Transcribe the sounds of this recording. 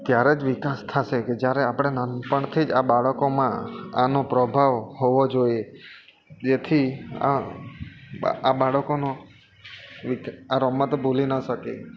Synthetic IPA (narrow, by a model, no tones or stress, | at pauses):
t̪jaɾed͡ʒʋikast̪ʰaʃeked͡ʒjaɾeapəɽ̃enənpəɳt̪ʰid͡ʒabaɭəkomãa̰nopɾɔbʱaʋɦoʋod͡ʒoie | d͡ʒet̪ʰia̰ | abaɭəkono | ʋikaɾɔmːət̪obʱolinəʃəkḛ